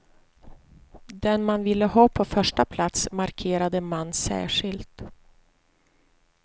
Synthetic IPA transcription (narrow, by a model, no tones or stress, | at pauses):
d̪ɛnmanvɪlːəhɑːpʰɔfœʂʈapʰlat̪smaɾkʰeːɾad̪əmanːsæ̰ːʂɪlt̪